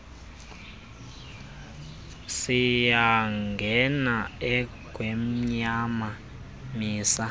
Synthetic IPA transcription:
sijaŋɡʱɛnaɛ | ɡ̥ʱwem̩ɲama | miːsa

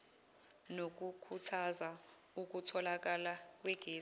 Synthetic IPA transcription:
nok̬ukʰutʰaza | uk̬utʰɔlak̬alak̬wɛɡ̥ʱeː

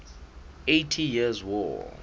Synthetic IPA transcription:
etʰijizwɔ̰

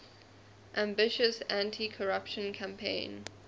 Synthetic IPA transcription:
ʔãmbɪʃəsãntʰikʰəɹapʃə̃nkʰãmpʰḛ̃ɪ̃n

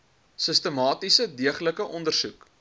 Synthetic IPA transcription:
səstəmɑːtisədiəχləkəʔɔndərsuk

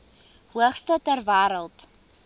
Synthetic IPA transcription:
huəχstətærvæːɾəlˠt

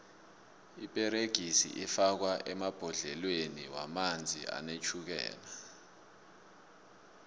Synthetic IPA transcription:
ipʼɛɾeɡ̥ʱisḭʔifak̬waʔɛmab̥ʱɔɮɛlweniwamand͡zʱḭa̰net͡ʃʰuk̬ɛ̰ːla

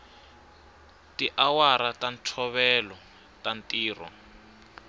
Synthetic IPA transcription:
tiʔawaɾatantʰɔβɛlɔ | tantiːrɔ̰

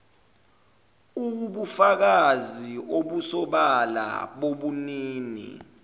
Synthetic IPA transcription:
uɓufak̬azioɓusɔɓala̰ɓoɓuniːnḭ

